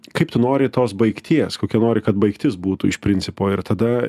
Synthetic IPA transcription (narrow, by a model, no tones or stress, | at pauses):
kɐɪpt̪ʊnoːɾʲɪt̪oːsbɐɪkt̪ʲiɛskoːkʲɛnoːɾʲɪkɐt̪̚bɐɪkt̪ʲɪsbuːt̪uːɪʃpʲɾʲɪnʲt͡s̪ʲɪpoːɪɾt̪ɐd̪ɐ